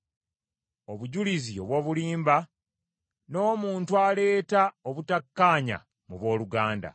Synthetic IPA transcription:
o̞βuɟulizio̞βwo̞ːβuliːmba | no̞ːmuːntwale̞ːtaoβutakːaːɲa̰ | muβwo̞ːluɡaːnda̰

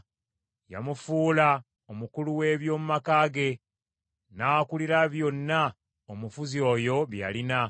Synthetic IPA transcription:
ja̰mufuːla | omukuluwe̞ːβjo̞ːmumakaːɡe̞ | naːkuliɾaβjo̞nːa | omufuzio̞ːjo̞βja̰lina

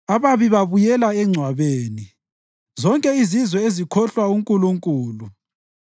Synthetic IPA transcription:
aβaβiβaβujɛlaɛŋ͡ǀʱwaβeːni | zɔŋkʼɛizizwɛezikʰɔɬwauŋkʼuluŋkʼuːlu

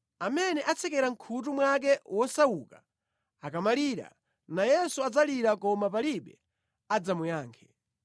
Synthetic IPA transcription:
amɛnɛʔat͡sʰɛkɛɾaŋ̩kʰut̬umwak̬ɛwɔsawuka | akamaliɾa̰ | najɛsuad͡zaliɾakɔmap̬aliɓɛ | ad͡zamujaːŋkʰɛ̥

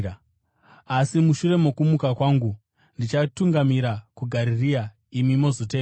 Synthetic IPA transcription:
asimuʃure̞mo̞kumukakwaːŋɡu | ndit͡ʃatuŋɡamiɾakuɡʱaɾiria | imimo̞zoteː

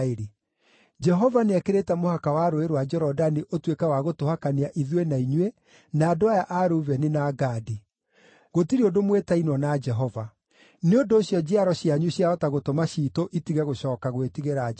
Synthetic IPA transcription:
eɾe | d͡ʒɛɦɔvaneakeɾetɛmohakawaɾoeɾwad͡ʒɛɾɔdaniʔotwekɛwaɣotohakaniaʔiðwenaiɲwe | naːdoajaʔaɾuvɛnenaɡadi | ɣotiɾiodomwetainwɔnad͡ʒɛɦɔva | neondoːɕjɔd͡ʑeaɾɔɕjaɲuɕjaɔtaɣotomaɕitoʔitiɣɛɣoɕɔːkaɣwetiɣeɾa

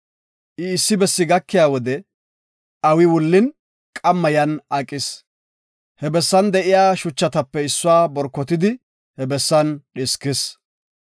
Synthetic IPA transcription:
ʔɪːsːɪbɛsːɪɡɐkːɪjaːwɔd̪ɛ | ɐwɪwʊlːɪn | kʼɐmːɐjɐnakʼːɪs | hɛbɛsːɐnd̪ɛʔɪjaːʃʊt͡ʃːɐt̪ɐpːɛɪsːʊwaːbɔɾkːɔt̪ɪd̪ɪ | hɛbɛsːɐnɗɛskɪs

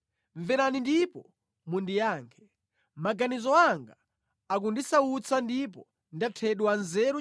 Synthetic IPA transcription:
ɱvɛɾanindipɔ | mundijaːŋkʰɛ̥ | maɡanizɔaŋɡaː | k̬undisaut͡sʰandip̬ɔ | ndatʰɛɗwanzɛɾu

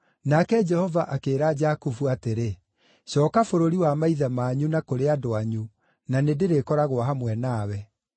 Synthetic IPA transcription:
nakɛd͡ʒɛhɔvaʔakeːɾad͡ʒakufuateɾe | ɕɔːkafoɾoɾiwamaiðamaːɲunakoɾeadoaɲu | nanedeɾekɔɾaɣoaɦamwɛnaːwɛ

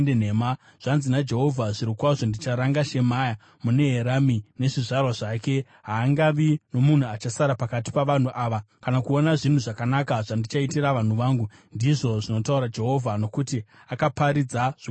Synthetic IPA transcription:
ndeneːma | ʐ̥anzinad͡ʒe̞ɦo̞vʱaʐiɾikwaʐo̞ndit͡ʃaɾaŋɡaʃe̞maːja | mune̞ɦeɾamine̞ʐiʐarwaʐake̞ | ɦaːŋɡaʋino̞mun̤uat͡ʃasaɾapakat̬i̥paʋan̤uʔaːʋakanakuo̞naʐin̤uʐakanakaʐandit͡ʃaitiɾaʋan̤uʋaːŋɡundiʐo̞ʐino̞tauɾad͡ʒe̞ɦo̞vʱano̞kuti | akapaɾid͡zaʐ

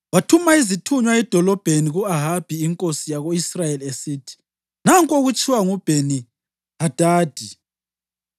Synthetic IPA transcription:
watʰumaizitʰuɲwaɛd̥ʱɔlɔb̥ʱeniɣuaɦab̥ʱiːŋkʼosijaɣoisrajeliesiːtʰi̥ | naŋkʼoɣut͡ʃʼiwaŋub̥ʱeni | had̥ʱaːd̥ʱi

